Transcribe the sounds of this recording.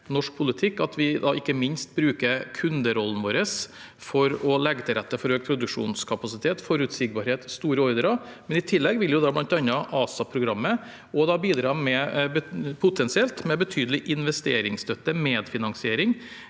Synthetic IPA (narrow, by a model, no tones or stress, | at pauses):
nɔʂk̚pʰʊlɪt̪ʰɪkːɑt̪ʋɪd̪ɑ̰ɪkːəmɪnst̪̚bɾʉːkəɾkʰʉnd̪əɾɔlːn̩ʋoːɾəs | fɔɾɔlɛɡːət̪ʰɪlɾɛt̪ːəfɔɾøːk̚pʰɾʊd̪ʉkʂṵːnskʰɑpɑsɪt̪ʰeːt̪fɔɾʉt̪sɪɡ̚bɑːɾheːt̪st̪uːɾəɔɾd̪ɾɑmɛnɪt̪ʰɪlːɛɡʋɪljʊd̪ɑːblɑnt̪ɑnːɑʔɑːsɑpʰɾʊɡɾɑmːə | ɔd̪ɑbiːd̪ɾɑːmɛbpʰʊt̪ʰɛnsɪɛlt̪mɛbət̪ʰyːd̪əlɪʔɪnʋɛst̪eːɾɪŋst̪œt̪ːəmeːd̪fɪnɑŋsɪeːɾɪŋ